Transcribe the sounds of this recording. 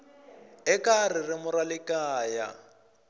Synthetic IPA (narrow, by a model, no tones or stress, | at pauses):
ɛkar̤ɪrɪmʊɾalɪkaːja̰